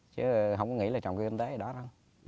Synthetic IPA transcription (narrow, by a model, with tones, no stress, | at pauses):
t͡ɕɨ˨˦ɦə˧wŋ͡mkɔ˨˦ŋḭ˧˥laː˨˩t͡ɕɔ̰˨˩wkːki˧ŋt̪e˨˦˨ɗɔ˨˦za˧